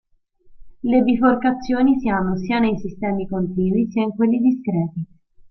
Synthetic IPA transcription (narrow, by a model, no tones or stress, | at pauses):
lebiforkat̪sːjoːnisianːosiːanejsist̪ɛːmikont̪iːnisiːaiŋkwelːid̪iskɾɛːt̪i